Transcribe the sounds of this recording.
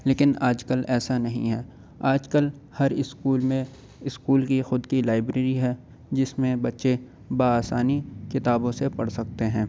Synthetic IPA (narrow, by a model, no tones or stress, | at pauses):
leːkɪnaːd͡ʒkəlɛːsanɐɦḭ̃ɦɛː | aːd͡ʒkəl | hɐɾɪskuːlmẽ | ɪskuːlkixʊd̪kilaːɪbɾeːɾiɦɛː | d͡ʒɪsmẽbɐtːʃe | baːaːsaːnikɪt̪aːbõsepɐɽsɐk̚t̪eɦɛ̃ː